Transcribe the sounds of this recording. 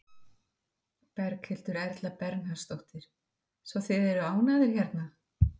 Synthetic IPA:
pɛɾkhɪlt̪ʏɾɛɾt̪lapɛɾknhast̪owht̪ɪɾ̥ | svaθɪðɛɾʏaːwnaðɪɾ̥çɛɾt̪na

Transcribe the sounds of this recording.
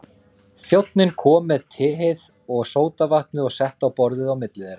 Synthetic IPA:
θjowt̪nɪnkʰɔːmːɛðt̪ʰɪːɦɪð | ɔɣsoːwt̪avaht̪nɪɔɣsɛht̪awpɔɾðɪðawmɪt̪lɪðeːɾaa

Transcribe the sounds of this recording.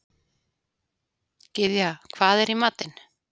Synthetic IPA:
cɪðjakʰvaːðɛɾimaːt̪ɪn

